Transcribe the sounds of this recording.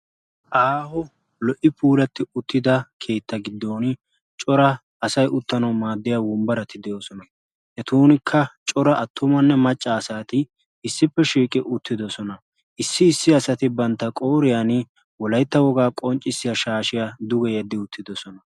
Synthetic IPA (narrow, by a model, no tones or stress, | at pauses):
ʔaːhɔ | lɔʔɪpʰuːlɐt̪ːɪʊt̪ːɪd̪ɐkʰe̞ːt̪ːɐɡɪd̪ːoːn | t͡ʃʼɔɾɐː | sɐjʊt̪ːɐnɐwmaːd̪ːɪjawʊmbɐɾɐt̪ɪd̪ɛjo̞ːsɔnɐ | hɛt̪uːnɪkʰːɐt͡ʃʼɔɾɐʔɐt̪ʰːʊmɐnːɛmɐt͡ʃʼːɐːsaːt̪ɪ | ɪsːɪpːɛʃiːkʼːɪʔʊt̪ːɪd̪ɔsɔnɐ | ʔɪsːɪːsːɪɐsɐt̪ɪbɐnt̪ːɐkʼoːɾɪjanɪ | wɔlɐjt̪ːɐwɔɡaːkʼɔnt͡ʃʼːɪsːɪjɐʃaːʃɪjad̪ʊɡɛjɐd̪ːɪʊt̪ːɪd̪ɔsɔnɐ